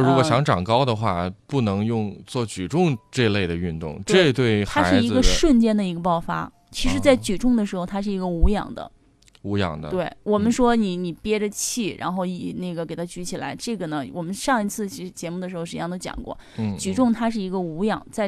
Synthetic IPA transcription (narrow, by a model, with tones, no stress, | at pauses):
ɻu˧˥kwɔ˨˩ɕjɑ˧˥ŋʈ͡ʂɑ˨˩ŋkɑ˥ʊd̪ə˨xwa̰˥˩pu˥˩nɤ˧˥ŋjʊ˥˧ŋt͡swɔ˥˩t͡ɕy˨˩ʈ͡ʂʊ˥˧ŋʈ͡ʂɤ˥˧le˥˩ɪd̪ə˩y˥˧nt̪ʊ̰˥˧ŋt̪ʈ͡ʂwe˥˧˥t̪we˥˩ɪt̪ʰa˥a˧ʂɻ̩˥i˧˥˧ɡə˧ʂwə˥˩nt͡ɕjɛ˥nd̪ə˨i˧˥ɡə˧pɑ˥˩ʊfa̰˥ | t͡ɕʰi˧˥ʂɻ̩˧˥t͡sa˥˩ɪt͡ɕy˨˩ʈ͡ʂʊ˥˩ŋd̪ə˩ʂɻ̩˧˥xo˧ʊt̪ʰa˥ʂ̬ɻ̩˥˩i˧˥ɡə˧u˧˥jɑ̰˨˩ŋd̪ə̰˦ | u˧˥jɑ̰˨˩ŋd̪ə̰˦t̪we˥˩ɪwɔ˨˩mə˦nʂwɔ˥ni˨˧˩ni˨˩pjɛ˥ʈ͡ʂə˧t͡ɕʰi˥˩ɻa̰˧˥nxo˥˩ʊi˨˩ne˥˩ɡə˩ke˨˩ɪt̪ʰa˥t͡ɕy˧˥t͡ɕʰi˨˩la̰˧˥ɪʈ͡ʂɤ˥˩ɡə˩nə˩wɔ˨˩mə˦nʂɑ˥˩ŋi˧˥t͡sʰɹ̩˥˩t͡ɕʰi˧˥t͡ɕjɛ˧˥mu˩d̪ə˩ʂɻ̩˧˥˧ɻ̩˧j̪o˥˩t͡ɕjɑ̰˨˩ŋkwɔ̰˥˩˥ | t͡ɕy˨˩ʈ͡ʂʊ˥˩ŋt̪ʰa˥ʂ̬ɻ̩˥˩i˧˥ɡə˧u˧˥jɑ˨˩˦ŋt͡sa˥˩ɪ